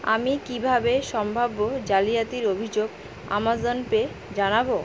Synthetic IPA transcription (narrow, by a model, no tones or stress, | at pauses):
a̰mikibʱabeʃɔmbʱabːod͡ʑalijat̪iɾobʱid͡ʑoɡ | a̰mazonpe | d͡ʑanabo